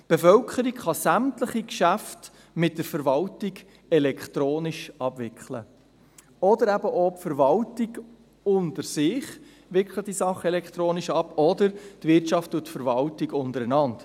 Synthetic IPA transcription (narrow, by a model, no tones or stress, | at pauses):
b̥efœlkʰəɾikχɑsæmtləχikʃæft | mɪt̚dəɾfəɾʋɑltiɡ | ɛlɛkχtɾoːnɪʃɑbvɪkχlə̰ | ɔdəɾæbəʔopfəɾvɑltɪɡ | ʊntəɾsɪχ | ʋɪkχləd̥isɑχəɛlɛkχt̪ɾoːnɪʃɑpːɔdəɾtvɪrtʃɑftːuətfəɾvɑltɪɡʊntəɾənɑnt